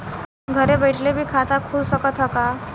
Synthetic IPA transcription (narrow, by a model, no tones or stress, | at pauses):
ɡʱəɾebəjʈʰlebʱiːkʰat̪akʰuːbsəkət̪ɦəka